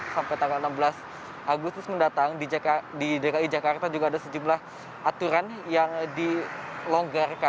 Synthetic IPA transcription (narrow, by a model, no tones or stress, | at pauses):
sampajt̪aŋɡalənambəlas | ʔaɡʊst̪ʊsməndat̪aŋdididekaid͡ʒakart̪ad͡ʒuɡaːdasəd͡ʒumlah | ʔat̪uɾanjaŋdilɔŋɡarka